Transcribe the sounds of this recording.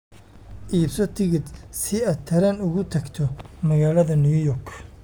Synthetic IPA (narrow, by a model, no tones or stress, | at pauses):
ʔiːbsɔt̪ʰɪɣɪd̪sɪaːd̪̚t̪ʰɐɾɐnʊɣʊt̪ʰɐɡt̪ʰɔmɐɣaːlɐðɐnɪjʊjɔrkʰ